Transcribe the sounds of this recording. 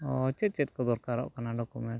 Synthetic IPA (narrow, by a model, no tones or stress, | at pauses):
ɔt͡ʃɛt̪̚t͡ʃɛt̪̚ˀkɔd̪ɔɾkaɾa̰ʔkanaɖɔkumɛɳʈ